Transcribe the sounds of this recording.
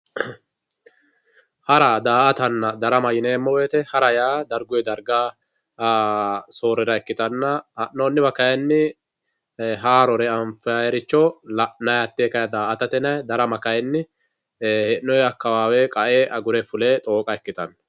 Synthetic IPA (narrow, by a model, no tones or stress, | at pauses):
hɐɾad̪aːʔɐt̪ɐnːɐd̪ɐɾɐmɐjɪneːmːɔweːt̪ɛhɐɾɐjaːd̪ɐɾɡʊjɛd̪ɐɾɡaː | soːɾɛɾɐɛkːɪt̪ɐnːɐhɐnːɔːnːɪbɐkɐjɛnːɪ | ɦaːɾɔɾɛɐmfɛajɛɾɪt͡ʃːɔlɐnɐjɐt̪ːeːkɐjɐd̪aːʔɐt̪ɐt̪ɛnɐjd̪ɐɾɐmɐkɐjɛnːɪ | hɛnːɔjɛɐkːɐwaːwɛkʼɐʔeːʔɐɡʊɾɛfʊleːt̪ʼo̞ːkʼɐɛkːɪt̪ɐnːɐ